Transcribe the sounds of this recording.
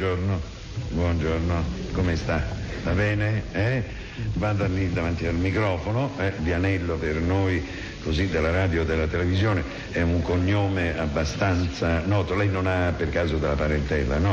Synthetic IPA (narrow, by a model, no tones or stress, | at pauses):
d͡ʒorno | bwɔnd͡ʒornokomest̪avabɛːneɛ | vad̪anid̪avant̪ialmikɾɔːfonoɛvianɛlːopernoj | kozid̪ːelːaɾaːd̪jod̪elːat̪elevizjoːne | ɛuŋkoɲːoːmeabːast̪ant̪sanɔːt̪olɛjnonapːerkaːzod̪elapaɾent̪ɛla̰nɔ